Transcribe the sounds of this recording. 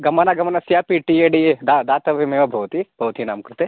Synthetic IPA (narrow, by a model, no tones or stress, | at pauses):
ɡɐmanaɡɐmanasjaːpiʈieɖied̪ad̪aːt̪ɐʋimeʋɐbʱɐʋt̪ib̥ʱɐʋt̪ina̰ːmkɾut̪e